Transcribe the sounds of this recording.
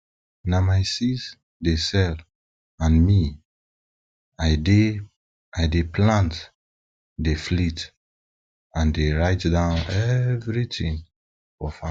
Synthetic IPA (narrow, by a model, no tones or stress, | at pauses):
namaɪsis | desɛl | ãnmi | aɪde | aɪdepʰlãnt | deflit | ãndeɹaɪtdãʊnɛvɹitĩŋ | fɔfa